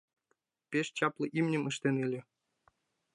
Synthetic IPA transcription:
pʲeʃt͡ɕɑplˠɤ̆ʔimnʲɘ̆mɤʃt̪ʲenɯlʲɘ̆

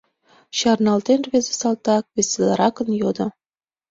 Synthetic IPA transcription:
ɕɑrnɑlt̪enrβʲezesɑlˠt̪ɑk̚βeselɑɾɑkə̆njod̪ŏ

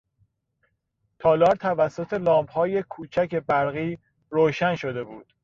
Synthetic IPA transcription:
t̪ʰɒːlɒːɾt̪ʰævæsːo̞t̪ʰe̞lɒːmbhɒːje̞kʰuːt͡ʃʰæce̞bæɾɣiː | ɾoːʃænʃo̞d̪e̞buːd̪̥

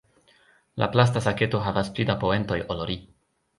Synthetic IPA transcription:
lʔa̰plas̬tasake̞to̞ɦavasplidapoe̞nto̞joloɾi

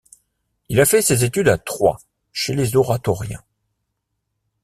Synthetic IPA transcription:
ilafɛsezet̪yd̪at̪χwa̰ | ʃelezɔʁat̪ɔʁjɛ̰̃

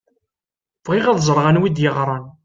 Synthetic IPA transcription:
vʁɪʁaðzˤəɾˤʁanwid̪jəʁɾˤɑn

